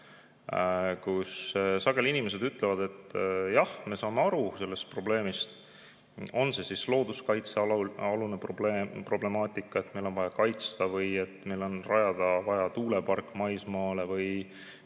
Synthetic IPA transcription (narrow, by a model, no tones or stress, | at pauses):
kussɑɡ̥e̞linʲimese̞d̪yt̪ːˑlevɑd̪̥e̞t̪ːjɑhme̞sɑːme̞ɑɾuse̞lːe̞st̪̚pro̞ble̞ːmist̪ | o̞nse̞sislo̞ːd̪̥uskɑjt̪seoluneproblepro̞ble̞mɑːt̪ˑikˑːɑet̪me̞jlo̞nvɑjɑkɑjt̪st̪ɑvɯje̞t̪ːme̞jlo̞nrɑjɑd̪̥ɑvɑjɑt̪uːle̞pɑrkːˑmɑjsmɑːle̞vɯj